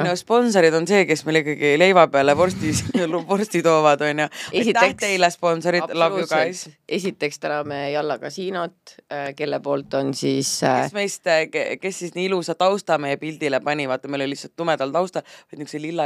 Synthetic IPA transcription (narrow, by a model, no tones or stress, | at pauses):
nuspo̞nsoɾid̪o̞nse̞ːke̞sme̞jlikːˑɑɡ̥ile̞jvɑpeɑlepo̞rst̪islupo̞rst̪it̪o̞ːvɑd̪̥o̞jnʲjuesit̪æht̪eilːespo̞nso̞ɾid̪lɑukɑjse̞sit̪ːˑe̞kst̪ænɑmejɑlːɑkɑ̰siːnot̪ˑːke̞lːepo̞ːlt̪ːˑo̞nsiːssme̞jst̪ke̞sːisniːilusɑt̪ɑwst̪ɑmejepild̪̥ilepɑnʲivɑd̪ːˑɑmejlolːisːɑlt̪ːumed̪̥ɑlt̪ɑwst̪ɑvɑjd̪nykselilːɑ